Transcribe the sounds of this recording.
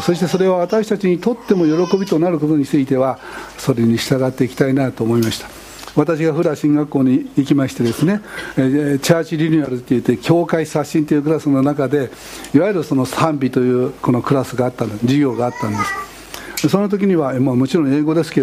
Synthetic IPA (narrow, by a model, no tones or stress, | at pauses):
so̞ɕi̥t̪e̞so̞ɾe̞βaβ̞at̪aɕi̥t̪at͡ɕiɲ̟it̪o̞t̪ːe̞mo̞jo̞ɾo̞ko̞bʲit̪o̞naɾɯ̟ko̞t̪o̞ɲ̟it͡sɨit̪e̞βaso̞ɾe̞ɲ̟iɕi̥t̪aɡat̪ːe̞ikʲi̥t̪ainat̪oːmo̞imaɕi̥t̪ḁ | βat̪aɕ̬iɡaɸɯ̟ɾaɕĩŋɡakːo̞ːɲ̟iːkʲimaɕi̥t̪e̞d̪e̞sɨne̞ | t͡ɕaːt͡ɕiɾʲiɲʲiaɾɯ̟t̪ːejɯ̟t̪ːekʲo̞ːkaisaɕːĩnt̪e̞jɯ̟k̬ɯ̟ɾasɨno̞nakad̪e̞ | iβaiɾɯ̟so̞no̞sãmbʲit̪o̞jɯ̟ːko̞no̞kɯ̟ɾasɨɡaːt̪ːãd͡ʑiɡʲo̞ːɡaːt̪ːãnd̪e̞sɨ̥ | so̞not̪o̞k̬ʲiɲ̟iβamoːmo̞t͡ɕiɾõ̞ɰ̃e̞ːɡo̞d̪e̞sɨ̥keo